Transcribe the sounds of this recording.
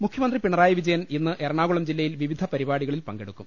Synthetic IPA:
mukʰjɐmɐnd̪ripiɳɐraːjɐʋid͡ʑɐjɐninːɨʔerɐɳaːɣuɭɐmd͡ʑilːɐjilʋiʋid̪ʱɐpɐɾibaːɽiɣɐɭilpɐŋɡe̞ɽukːum

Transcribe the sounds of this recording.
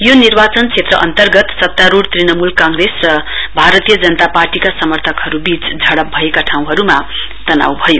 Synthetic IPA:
jonirbat͡sʌnt͡sʰet̪rʌ̰ʔʌ̰nt̪ʌrɡʌt̪sʌt̪ːaɾuɽt̪rinʌmulkaŋɡresrʌbʱaɾʌt̪ijʌd͡zʌnʌt̪aparʈikasʌmʌrt̪ʰʌkɦʌɾubit͡sd͡zʱʌɽʌp̚bʱʌekaʈʰaw̃ɦʌɾuma | t̪ʌna̰wbʱʌjo

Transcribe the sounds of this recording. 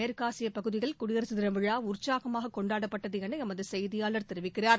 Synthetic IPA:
ɐɾkaːsɪjɐpɐɣɯðɪɣɐɭkʊɽɪjɐɾɐsɐðɪɾɐʋɪɻaːʊrt͡ʃaːɣɐmaːɣɐkɔɳɖaːɽɐpːɐʈːɐðɯɛnɐɐmɐðɯsɐjðɪjaːlɐɾt̪ɛɾɯʋɪkːɪraːɾ

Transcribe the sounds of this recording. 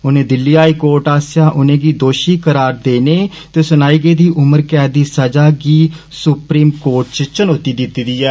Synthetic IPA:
ʊnẽːd̪ɪlːiːɦaːiːkoːɾʈaːsjaːʔʊnẽːɡiːd̪oːʃiːkəɾaːɾd̪eːneː | t̪eːsʊnaːiːɡeːd̪iːʔʊməɾkɛːd̪iːsəd͡ʒaːɡiːsʊpɾiːmkoːɾʈ̚t͡ʃt͡ʃənoːt̪iːd̪ɪt̪ːiːd̪iːɛː

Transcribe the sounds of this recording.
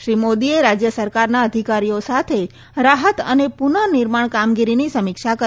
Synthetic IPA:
ʃɾimod̪ieɾad͡ʒjəsəɾkaɾnaəd̪ʱikaɾijosat̪ʰe | ɾaɦət̪ə̰nepunənɪɾmaɳkamɡiɾinisəmikʃakə

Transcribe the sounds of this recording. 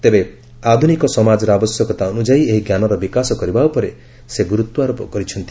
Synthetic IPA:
t̪ebe | ad̪ʱunikɔsɔmad͡ʒɔɾɔabɔsjɔkɔt̪aɔnud͡ʒaieɦiɡjanɔɾɔbikasɔkɔɾibaupɔɾe | seɡuɾut̪ːwɔaɾopɔkɔɾit͡ʃʰɔnt̪i̥

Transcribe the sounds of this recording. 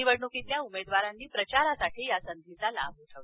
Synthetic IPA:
iʋəɽɳukit̪ljaumed̪ʋaɾanːiːpɾət͡ɕaɾasaʈʰiːjasənd̪ʱit͡sala̰buʈʰəʋla

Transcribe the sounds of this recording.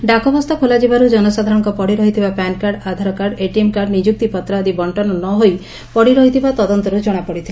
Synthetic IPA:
ɖakɔbɔst̪ʰɔkʰolad͡ʒibaɾud͡ʒɔnɔsad̪ʱaɾɔŋkɔpɔɽiɾɔɦit̪ʰibapankaɾɖad̪ʱaɾɔkaɾɖeʈiemkaɾɖnid͡ʒuk̚t̪ipɔt̪ɾad̪ibɔɳʈɔnɔnɔɦoj | pɔɽiɾɔɦit̪ʰibat̪ɔd̪ɔnt̪ɔɾud͡ʒɔɽ̃apɔɽit̪ʰia

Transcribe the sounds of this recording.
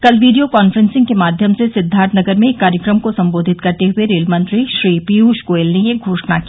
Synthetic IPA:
kɐlʋiːɖijokɔːnfəɾə̃nsɪ̃ŋɡkemaːd̪ʱjəmsesɪd̪ʱːaːɾt̪ʰnɐɡəɾmẽkːaːɾjəkɾəmkosɐ̃mboːd̪ʱɪt̪kɐɾt̪eɦʊeɾeːlmɐ̃nt̪ɾiʃɾiːpiːɦuːʃkoːelnejeɡʱoːʃnaki

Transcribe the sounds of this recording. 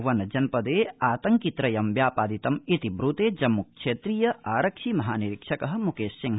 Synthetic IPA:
ʋɐnɐd͡ʒɐnpɐd̪eːaːt̪ɐŋkit̪ɾɐjɐmʋjaːpaːd̪it̪ɐmit̪ibɾut̪eːd͡ʒɐmːukʃeːt̪ɾijɐʔaːɾɐkʃimɐɦaːniɾikʂɐkɐɦɐ̆mukeːssiŋ

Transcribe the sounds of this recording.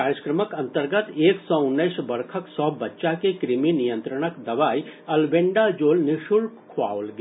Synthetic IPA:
kaːɾjəkɾəməkɐ̃nt̪əɾɡət̪eːksɔːʊnːəjʃbɐɾkʰəksɔːbɐtːʃakekɾɪminijə̃nt̪ɾəɽ̃əkd̪ɐʋaːiɐlbeɳɖad͡ʒoːlnɪʃuɽkʰa̰ːwlɡ

